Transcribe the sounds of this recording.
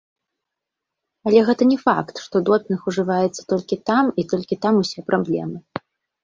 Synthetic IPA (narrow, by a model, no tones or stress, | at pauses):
ɐlʲɛɣɛt̪ɐnʲɛfa̰kt̪ʂt̪ɔd̪ɔpʲnɨxuʐɨvajɛt̪sːɐ̥t̪ɔlʲkʲit̪amit̪ɔlʲkʲit̪amusʲɛpɾʔablʲɛ̰mɨ